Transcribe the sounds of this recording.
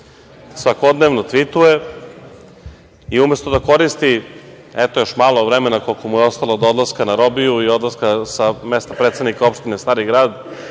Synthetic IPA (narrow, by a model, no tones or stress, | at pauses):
sʋakod̪neʋnot̪ʋit̪uje | iumest̪od̪ako̞ɾist̪i | ɛt̪ojo̞ʃmaːlˠovɾemenako̞lkomujeo̞st̪alaod̪od̪laskanaɾobijuio̞d̪lˠaskasamest̪apɾet̪sadnikaopʃt̪inest̪aːɾiɡɾaːd̪